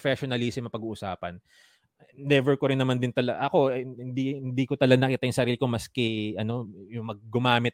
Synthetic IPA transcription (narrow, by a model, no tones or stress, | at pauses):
fɛʃonɐlisɪmɐpɐɡuːʔʊsa̰ːpɐ̰n | d̪ɛvɛɹkoɾɪnːɐmand̪ɪnt̪ɐlɐɡʔɐko̞hɪnd̪ihɪnd̪ikot̪ɐlɐɡanɐkɪt̪ajʊŋsɐɾiːlɪkomɐskɛʔɐno̞jʊŋmɐɡ̚ːʊmaːmɪt̪̚